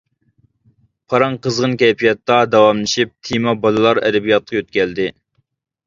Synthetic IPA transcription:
pʰɑɾɑŋqʰəzʁənkʲɛjpʰijɑt̪ːɑd̪ɑwɑmlˠɨʃip̚t̪ʰimɑbɑlˠɨlˠɑɾɛ̰d̪ɪbijɑt̪̚qʰɑjøt̪̚kʲɛld̪ɪ

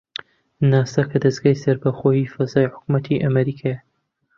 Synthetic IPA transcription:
naːsɐkʰɐd̪ɐzɡaːjsɐɾbɐxojiːfɐzaːjħʊ̥kmɐt̪ʰiʔɐmɐɾiːkʰajɐ

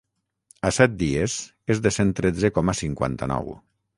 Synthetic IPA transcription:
asɛt̪̚d̪iez | ezðesent̪ɾed͡zekɔmasiŋkwa̰nt̪anɔ̰w

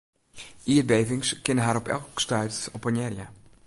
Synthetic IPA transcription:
ʔiətbejvɪŋskɪnəɦaːɾɔpɛ̰lˠkstœɥtɔpənɛrja

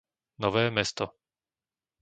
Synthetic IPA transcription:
nɔʋɛːmɛst̪ɔ

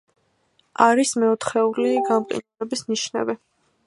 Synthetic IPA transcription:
aɾismɛɔt̪ʰχɛuliɡamqʼḭnɛbisniʃnɛ̰bi

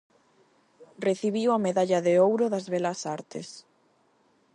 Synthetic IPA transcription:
reθiβiwɐmeðaʎɐðeowɾʊðɐzβɛlɐsaɾt̪ḛs

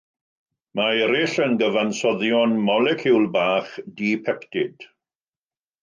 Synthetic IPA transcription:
maɛɾɪɬənɡəvansɔðjɔnmɔlɛkʰuwlˠbaːχdipʰɛkd̥ɪd̥

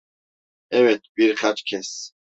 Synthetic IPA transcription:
ɛwɛt̪̚ʰbʼiɾχat͡ʃkʰɛs

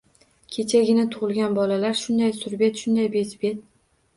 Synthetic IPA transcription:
kʲʰet͡ʃʰaɡʲɪnɪt̪ʰʊʁɨlˠɡʲanbɒlalaɾʃʊnd̪ajsʊɾbe̞t̪ʃʊnd̪ajbezbet̪̚

